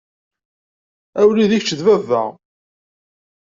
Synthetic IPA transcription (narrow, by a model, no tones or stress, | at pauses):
æwliðiçt͡ʃːəðvævə̰ʁ